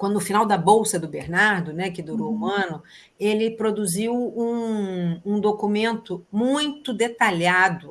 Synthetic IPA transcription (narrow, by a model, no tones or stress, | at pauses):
kwɐ̃d̪ʊʊfinawd̪ɐbowsɐd̪ʊbeɾnaɾd̪ʊnɛkɪd̪uɾowũɐ̃nʊ | elɪpɾod̪uziwũ | ũd̪okumẽnt̪ʊmũj̃t̪ʊd̪et̪alad̪ʊ